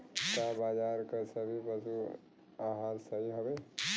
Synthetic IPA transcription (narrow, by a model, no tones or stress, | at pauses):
kabaːd͡ʒaːɾkəsəbʱibəsu | aɦaːnsəɦiɦobe